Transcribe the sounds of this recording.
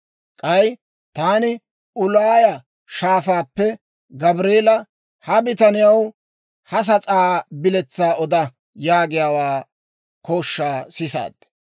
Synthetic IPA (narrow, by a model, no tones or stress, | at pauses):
kʼɐj | t̪aːnɪ | ʊlaːjɐ | ʃaːfaːpːɛ | ɡɐbɾeːlɐ | hɐbɪt̪ɐnɪjɐw | hɐs̬ɐt͡sʼaːbɪlɛt͡sːaːʔɔd̪ɐ | jaːɡɪjaːwaː | koːʃːaːsɪsa̰ːd̪̥̚